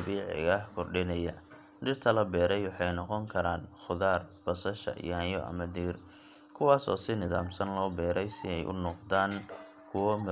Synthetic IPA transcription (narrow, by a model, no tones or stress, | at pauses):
biːʕɪ̰ɣɐhkʰɔrɖɪnɐjɐ | ɖɪrt̪ʰɐlɐbɛːɾɛjwɑħɑjnɔqɔŋkʰɐɾaːnχʊðaːrb̥ɐsɐʃɐ̰jaːnjɔʔɐ̰mɐd̪iːr | kʰʊwɑːsɔ̰ːsɪnɪðaːmsɐnlɔːbɛːɾɛjsɪɛjʔʊ̰nɔqd̪aːn | kʰʊwmɪ